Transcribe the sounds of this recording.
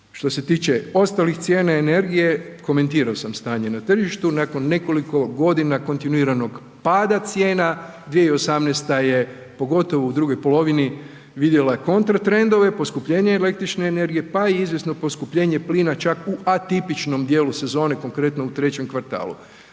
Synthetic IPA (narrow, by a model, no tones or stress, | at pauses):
ʃt̪o̞se̞t̪iːt͡ʃe̞o̞st̪alixt̪sje̞ːnaene̞ɾɡije̞ko̞me̞nt̪iːɾaosamst̪aːɲenat̪r̩ʒiʃt̪unako̞nːe̞ko̞liko̞ɡo̞d̪inako̞nt̪inuiːɾano̞ɡ | paːd̪at̪sje̞ːna | d̪ʋijeio̞samnest̪aje | po̞ɡo̞t̪o̞ʋoud̪ɾuɡo̞jpo̞lo̞ʋini | ʋid̪jelajeko̞nt̪ɾat̪ɾe̞nd̪o̞ʋe̞po̞skupʎe̞ːɲeːle̞k̚t̪ɾit͡ʃne̞ːne̞ɾɡije̞paiizʋje̞sno̞po̞skupʎe̞ːɲe̞pliːnat͡ʃakuat̪ipit͡ʃno̞md̪jeːluse̞zo̞ːne̞ko̞ŋkɾe̞t̪no̞ut̪ɾe̞t͡ɕe̞mkʋaɾt̪a̰ːlˠṵ